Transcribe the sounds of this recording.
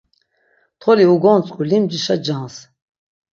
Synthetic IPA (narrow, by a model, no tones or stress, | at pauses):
t̪ʰχɔliuɡɔnt͡sʼkʼulimd͡ʒiʃad͡ʒans